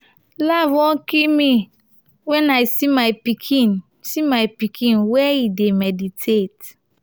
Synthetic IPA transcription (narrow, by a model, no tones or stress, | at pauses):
lavwɔ̃kimi | wɛnaɪsimaɪpikʰin | simaɪpikʰĩnwɛidemɛditʰet